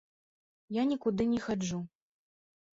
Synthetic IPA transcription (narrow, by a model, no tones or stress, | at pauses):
janʲikud̪ɨnʲɛxad͡ʐu